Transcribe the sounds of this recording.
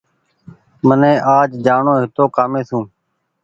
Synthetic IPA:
mənẽːʔaːd͡ʒd͡ʒaːɳoːɦɪt̪oːkaːmẽːsũː

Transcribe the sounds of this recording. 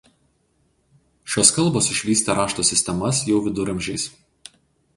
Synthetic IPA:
ʃʲoːskɐlˠboːsɪʃʲʋʲiːsʲt̪ʲɛɾɑːʃt̪oːsʲɪsʲt̪ʲɛmɐsjɛʊʋʲɪd̪ʊɾɐmʲʒʲɛɪs

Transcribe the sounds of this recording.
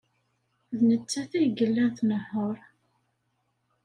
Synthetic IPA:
ðnət͡sːæθæjɡəlːænθnəhːoɾˤ

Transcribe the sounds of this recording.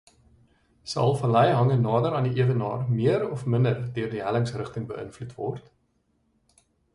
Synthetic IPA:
sɐ̰lˠfɐlɛjɦɐŋənɑːdəɾɑːndiʔiəvənɑ̰ːrmiəɾɔfməndərdøərdiɦæləŋsrəχtəŋbəʔə̰nflutvɔ̰rt

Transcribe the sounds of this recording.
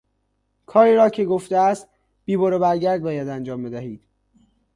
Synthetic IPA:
kʰɒːɾiːɾɒːcʰeɡoft̪eæst̪̚ | b̥iːboɾebæɾɟæɾd̪̚bɒːjæd̪ænd͡ʒɒːmbed̪æɦiːd̪̥

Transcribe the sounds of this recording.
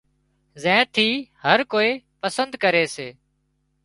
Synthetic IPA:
zɛ̃ːt̪ʰiːhəɾkoːiːpəsənd̪kəɾeːseː

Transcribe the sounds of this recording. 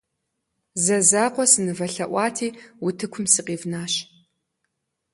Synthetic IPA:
zɐzaːqʷɔsɨnɨvɐɬɐʔʷɑːtʰiːwʊtʰɨkʷʰʊmsɨqʼiːvnaːɕ

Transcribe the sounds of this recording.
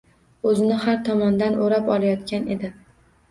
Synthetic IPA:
ɵzɪnɪhaɾt̪ʰɒmɒnd̪anʔoɾapɒlˠajɒt̪kʲane̞d̪ɪ

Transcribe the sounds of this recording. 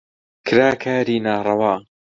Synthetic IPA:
kʰɨɾaːkʰaːɾiːnaːrˤɑwaː

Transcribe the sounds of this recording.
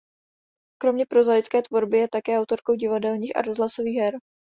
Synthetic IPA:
kɾo̞mɲɛpɾo̞zajɪt͡skɛːt̪vo̞ɾbɪjɛt̪akɛːawt̪o̞ɾko̞wɟɪvadɛlɲiːxa̰ɾozlaso̞viːɣɦɛɾ

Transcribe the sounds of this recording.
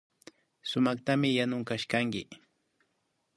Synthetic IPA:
sʊmaχt̪amɪjanʊŋkaʃkaŋkɪ

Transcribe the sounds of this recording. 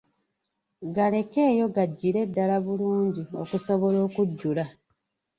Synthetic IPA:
ɡale̞ke̞ːjo̞ɡaɟːiɾe̞dːalaβuluːɲɟio̞̰kusoβo̞lo̞ːkuɟːula

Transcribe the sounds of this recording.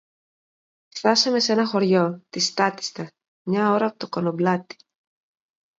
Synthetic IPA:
ft̪ɐsɐme̞se̞nɐxo̞ɾʝo̞t̪ist̪ɐt̪i̥st̪ɐ | mɲɐo̞ɾɐːpot̪okonoblɐt̪i̥

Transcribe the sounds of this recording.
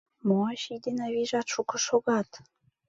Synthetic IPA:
moɑʃid̪enɑβiʒɑt̪ʃukɤ̆ʃoɣɑt̪

